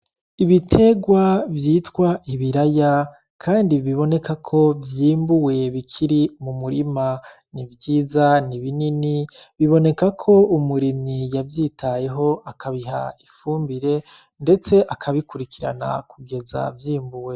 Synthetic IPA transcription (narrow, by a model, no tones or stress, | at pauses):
iβitʰe̞ɡwavjiːtwaʔiβiɾaja | kʰaːndiβiβo̞ne̞kakʰo̞vjiːmbuwe̞βikʰiɾimumuɾima | nivjiːzaniβininiβiβo̞ne̞kakʰo̞umuɾimɲijavjiːtʰaje̞ɦo̞akʰaβiɦa̰ifuːmbiɾe̞ | nde̞t͡se̞ʔakʰaβikuɾikiɾa̰na̰kʰuɡe̞za̰vjiːmbuwe